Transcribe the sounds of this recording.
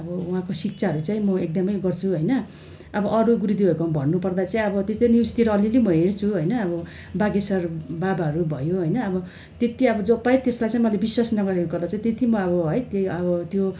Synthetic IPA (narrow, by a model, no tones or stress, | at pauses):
ʌbʌwɦãkosik̚t͡sʰaɦʌɾut͡saĩmʌek̚d̪ʌmʌjɡʌrt͡sʰuɦʌjnʌ | ʌbʌʔʌɾuɡuɾud̪ibʱʌekombʱʌnːupʌrd̪at͡saĩʌbʌt̪est̪enist̪iɾʌʌlilemʌɦeɽt͡sʰuɦʌjnʌːbʌ | baɡesʌrbabaɦʌɾubʱʌ̰joɦʌjnʌːbʌ | t̪et̪iʌbʌd͡zʌpːajt̪eslajt͡sãĩmʌlebiswasnʌɡʌɾekokʌrd̪at͡saĩt̪et̪imʌʌbʌɦʌjt̪ʌbʌt̪jo